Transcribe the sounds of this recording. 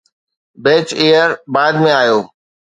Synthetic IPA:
beːt͡ʃeːəɾbaːd̪mẽaːjoː

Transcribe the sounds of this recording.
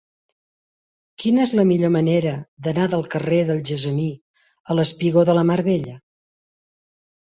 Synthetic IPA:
kinəezləmiʎoməneɾəd̪ənaðəlˠkəreðəlˠʒəzəni | ələspiɣoðələmaɾβeʎə

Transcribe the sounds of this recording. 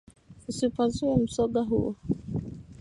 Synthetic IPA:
usipazuɛm̩sɔɡaɦṵɔ

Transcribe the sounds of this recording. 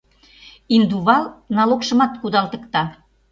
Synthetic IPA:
ind̪uβɑlnɑlokʃɤ̆mɑt̪kud̪ɑlt̪ə̆kt̪ɑ

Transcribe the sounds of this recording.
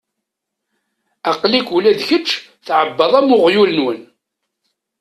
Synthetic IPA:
æqlikʷulæðçət͡ʃː | θʕəbːəðˤæmʊʁjulənwən

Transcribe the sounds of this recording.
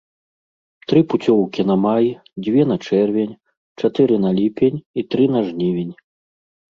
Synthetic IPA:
t̪ɾɨput͡sʲɔwkʲinɐmaj | d͡zʲvʲɛn̪ɐt͡ʂɛrvʲenʲ | t͡ʂat̪ɨɾɨnɐlʲipʲenʲit̪ɾɨnɐʐnʲivʲenʲ

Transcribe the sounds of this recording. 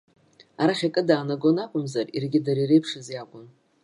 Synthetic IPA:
aɾaχʲakʼɨdaːnaɡonakʷʼʊmzarḭrɡʲɪdaɾirejpʰʂɨzjakʷʼʊn

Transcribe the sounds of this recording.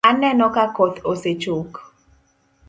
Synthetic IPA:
anɛnɔkakɔt̪oset͡ʃok

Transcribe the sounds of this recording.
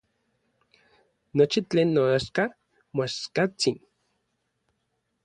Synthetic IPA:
not͡ʃit͡ɬeːnːoaʃka | moaʃkat͡sin

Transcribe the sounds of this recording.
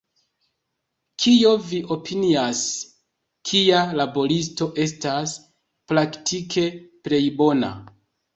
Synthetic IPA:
kʰijo̞viʔo̞pʰinias | kʰialabo̞ɾisto̞ʔe̞stas | pɾaktʰikʰe̞ple̞jbo̞na̰

